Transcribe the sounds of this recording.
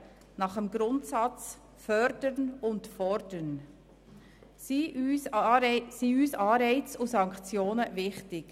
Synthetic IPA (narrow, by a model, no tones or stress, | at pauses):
nɑχəmɡɾʊntsɑt͡s | fœɾdənʊntfɔɾd̥ən | si | siːyːsɑːɾɛɪt͡sʊsɑŋkt͡sjoːnəvɪχtɪk